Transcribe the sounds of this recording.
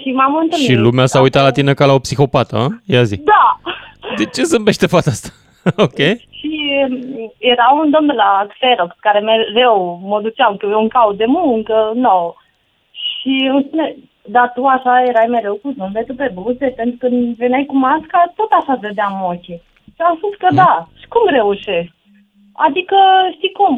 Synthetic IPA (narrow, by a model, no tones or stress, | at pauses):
ʃimamɨnt̪ɨlmʃiilumeasaujt̪at̪lat̪inekalaopsixo̞pat̪ə̰jazid̪a | d̪et͡ʃe̞zɨmbe̞ʃt̪e̞fat̪ast̪ḁ | okʲeʃi | jeɾaund̪o̞mnd̪elakfeɾokkaɾe̞meɾewməd̪ut͡ʃamkjeuŋkaud̪e̞muŋkəno | ʃiɨmspune | d̪at̪uaʃaje̞ɾajme̞ɾe̞wkuzɨmbet̪upe̞buzepent̪ɾukɨnd̪venjajkumaskat̪o̞t̪aʃaved̪eamokʲe | ʃiamspuskəd̪aʃi̥kumɾe̞uʃesk̚ | a̰d̪ikəʃt̪ijkum